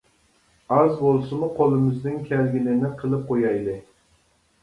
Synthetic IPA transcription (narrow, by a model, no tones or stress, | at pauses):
ɑzbolˠsɨmuqʰolˠɨmɪznɪŋkʲʰɛlɡʲilɪnɪqʰəlˠɨp̚qʰojɑjlˠɨ